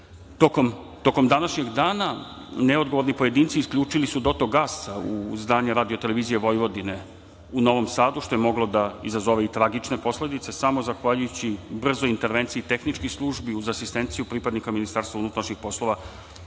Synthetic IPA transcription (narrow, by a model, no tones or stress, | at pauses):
t̪okom | t̪o̞ko̞md̪anaʃɲe̞ɡd̪aːna | neo̞d̪ɡo̞ʋo̞ɾnipo̞je̞d̪iːnt̪siːskʎuːt͡ʂilisud̪o̞t̪oɡasaṵzd̪aːɲeɾaːd̪io̞t̪e̞le̞ʋiːzijeʋo̞jʋo̞d̪ine̞ | uno̞ʋo̞msaːd̪uʃt̪o̞jemo̞ɡlo̞d̪aizazoʋe̞it̪ɾaɡit͡ʂne̞po̞sle̞d̪it̪sesamo̞zaxʋaʎujut͡ɕibr̩zoint̪e̞ɾʋe̞nt̪siiːt̪e̞xnit͡ʃkislˠuʒbiuzasist̪e̞nt̪sijupɾipad̪nikaminist̪aːɾst̪vaunut̪ɾaʃɲixpo̞slˠo̞ʋa